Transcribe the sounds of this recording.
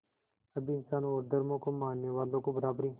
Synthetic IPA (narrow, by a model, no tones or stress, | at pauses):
əbiːnsaːnõoːɾd̪əɾmõːkomaːnːeːʋaːlõːkobəɾaːbɾĩː